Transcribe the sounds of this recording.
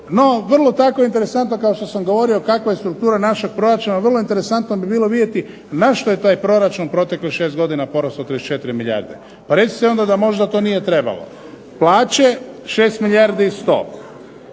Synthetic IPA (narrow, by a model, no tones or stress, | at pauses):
no̞ʋr̩lˠo̞t̪ako̞jeint̪e̞ɾe̞sant̪no̞kaoʃt̪o̞samɡo̞ʋo̞ɾio̞kakʋajest̪ɾuk̚t̪uːɾanaʃeɡ̚pɾo̞ɾat͡ʃunaʋər̩lˠoint̪e̞ɾesant̪nobibiːlˠo̞ʋid̪je̞t̪i | naʃt̪o̞jet̪aːjpɾo̞ɾat͡ʃunpɾo̞t̪e̞klixʃeːst̪ɡo̞d̪inapo̞ɾast̪ot̪ɾiet͡ʃe̞t̪iɾimiʎʲa̰ɾd̪ḛ | paɾe̞t̪si̥seo̞nd̪ad̪amo̞ʒd̪at̪o̞nije̞t̪ɾe̞ba̰lo̞̰ | plaːt͡ɕe̞ʃe̞ːst̪miʎʲjaɾd̪iist̪o̰ː